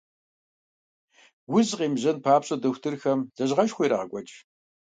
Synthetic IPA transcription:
wʊzqiːmʑɐnpʰaːpɕʼɐdɐxʷtʰɨrxɐmz̥ɐʑʁɐʃxʷijɾaːʁəɡʷʼɔt͡ʃʼ

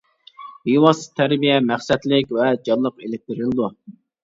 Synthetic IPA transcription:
bijwɑsɨ̥t̪ʰæɾbijɛmæχsɛt̪lɪkʲvɛd͡ʒɑlˠːəqelɪk̚ʲt̪ɪɾɪlɨd̪u

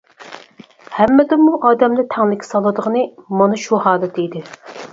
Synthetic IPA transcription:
hɛmːɪd̪ɪmuʔɑːd̪ɛmd̪ɛt̪ʰɛŋlɪkʲʰɪ̥sɑlˠɨd̪əʁənɨmɑnɨʃuhɑːd̪ɛt̪ʰɛid̪ɪ

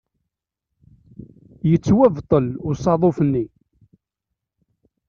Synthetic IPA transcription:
jət͡sːwævt̪ˤəlʊsɑðˤofənːi

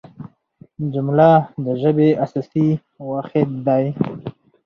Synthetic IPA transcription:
d͡ʒʊmlad̪əʒəbeʔasasi | waxet̪d̪aj

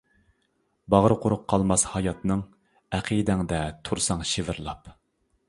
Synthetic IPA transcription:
bɑʁɾɨqʰʊɾʊqʰːɑlˠmɑshɑjɑt̪nɨŋ | æqʰid̪ɛŋd̪ɛt̪ʰuɾsɑŋʃevɪɾlˠɑp

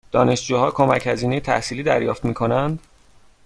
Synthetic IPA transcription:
d̪̥ɒːne̞ʃd͡ʒuːhɒːkʰo̞mæchæziːne̞jet̪ʰæ̰hsiːliːd̪æɾjɒːft̪miːkʰo̞nænd̪

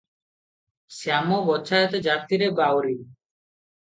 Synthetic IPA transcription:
samobɔtːʃʰaet̪ed͡ʒat̪iɾebawɾi

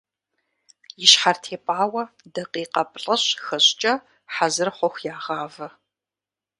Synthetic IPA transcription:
jɪʃħartʰeːpʼaːwɐ | dɐqiːqɐpʼɬʼɐɕxɐɕt͡ʃʼɐ | ħazɨrχʷɔxʷjaːʁɑːvɐ

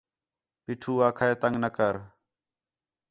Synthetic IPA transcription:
piːʈʰuːaːkʰaeːt̪əŋɡnəkəɾ

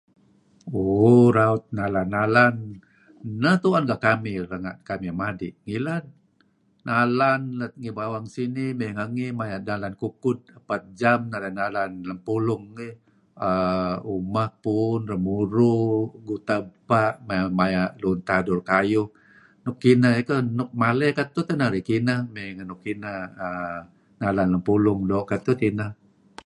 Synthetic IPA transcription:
oɾaʊt̪̚nalanːalan | nət̪uanɡaʔkamɪɾəŋaʔkamimadɪʔŋilanː | alanlət̪̚ŋibawaŋsinimeŋəŋimajanalankukʊt̪̚əpat̪̚d͡ʒamnalanːalanlampulʊŋːi | əumahpunrəmuɾuɡut̪apaʔmamajaʔlunt̪adʊrkajʊh | nʊkːinaekənʊk̚malɛhkat̪ut̪ənaɾikinahmeŋənʊkːinahə | nalanləmpulʊŋdɔʔkat̪ut̪inah

